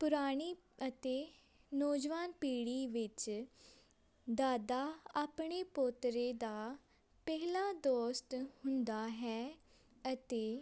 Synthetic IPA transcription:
pʊɾaːɽ̃iː | ət̪eː | nɔːd͡ʒʋaːnpiːɽiːʋɪt͡ʃ | d̪aːd̪aːaːpɳ̃eːpoːt̪ɾeːd̪aː | pɛːlaːd̪oːst̪hʊ̃nd̪aːɦɛː | ət̪eː

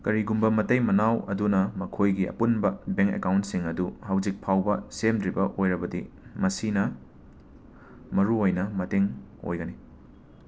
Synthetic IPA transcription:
kɐɾiɡumbɐmɐtɐjmɐnawɐ̰dunɐmɐkʰojɡiɐ̰punbɐbeŋkḛkawntsiŋɐduhawzik̚pʰawbɐsemdɾibɐʔojɾɐbɐdḭmɐsinɐ | mɐɾuojnɐmɐteŋ | o̰jɡɐni

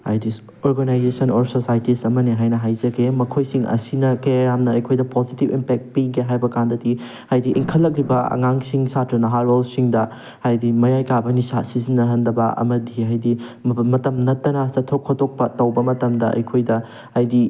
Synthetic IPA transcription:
hajdi | oɾɡɐnajzesɐnɔɾsosajtisɐmɐneɦajnɐɦajzɐɡemɐkʰojsiŋɐ̰sinɐkɐjjamnɐɐjkʰojdɐpozitibimpek̚t̚piŋkeɦajbɐkandɐdi | hajdiʔiŋkʰɐlːɐk̬̚libɐɐ̰ŋaŋsiŋsatɾɐnɐɦaɾolsiŋdɐ | hajdimɐjajkabɐnisasizinːɐɦɐndɐbɐɐ̰mɐdihajdimɐtɐmnɐtːɐnɐsɐtʰːokʰːotok̚pɐtɐwbɐmɐtɐmdɐʔɐ̰jkʰojdɐ | hajdi

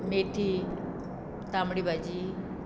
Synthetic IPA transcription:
meːʈʰi | t̪aːmɽibad͡ʑi

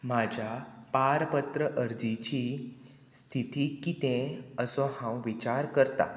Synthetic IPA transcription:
m̤ad͡ʑʱapaɾpət̪ɾəʔəɾd͡zit͡ɕi | st̪ʰit̪ikit̪ẽəsɔhãw̃ʋit͡ɕaɾkəɾt̪a̰

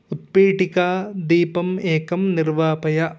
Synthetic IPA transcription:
ʊt̪̚peːʈikaːd̪iːpɐmeːkɐmnɪɾʋaːpɐjɐ

